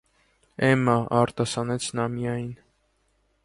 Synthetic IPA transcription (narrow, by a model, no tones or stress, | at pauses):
ɛmɑʔɑɾt̪ɑsɑnɛt͡sʰnɑmijɑjin